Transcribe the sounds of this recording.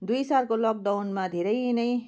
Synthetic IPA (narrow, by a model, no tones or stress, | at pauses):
d̪ujsalkolʌk̚d̪awnmad̪ʱeɾʌjnʌj̃